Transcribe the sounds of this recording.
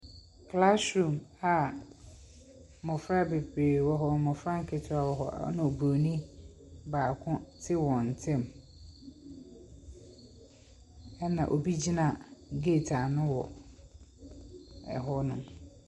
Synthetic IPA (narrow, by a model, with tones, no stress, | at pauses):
kʰla˦sɾũ˨ma˨ | mʊ̃˨fɾa˦be˨pʰeː˨wɔ˦ɦɔ˨mɔ̃˨fɾa˦ŋ̩˦kʰɪ˨tʰʊ˦a˨wɔ˨ɦɔ̰˨˦nã˨o˨bu˨o˨nĩ˦ | baː˨kʰʊ̃˦tʰɪ˦wɔ̃˨n̩˨tʰɛ̃˦˨m | ɛ˦nã̰˨ʔo˨bi˦d͡ʑi˦nã˨ɡe˦˨tʰa˨nʊ̃˦wɔ̰˨ | ɛ̰˨ɦɔ˦nʊ̃˨m